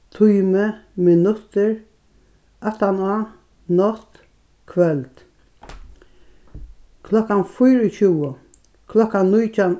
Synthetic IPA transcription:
t̪ʰujməmɪnʊt̪ːəɹ | ʔat̪anaː | nɔt̪ | kʰʋɛlt̪ | kʰlɔkːanfʊjɾət͡ɕuːə | kʰlɔkːannːujtʰan

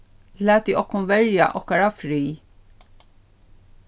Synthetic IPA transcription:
læːt̪iʔɔhkːʊnvɛɹja̰ʔɔhkaɾafɾiː

